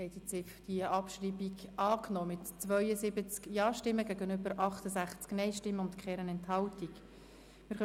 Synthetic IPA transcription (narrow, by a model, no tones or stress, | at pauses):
hɛɪt̪ət͡sɪfd̥iəʔɑpʃriːbiɡʔɑːknɔːmɪtt͡sʋœʏəzɪbət͡skjɑːʃtɪmːəɡæɡənʏbəɾʔɑχt̪əzæχt͡sknɛɪʃtɪmːəʊntkʰχɛɾənɛnthɑltik | mɪɾχœ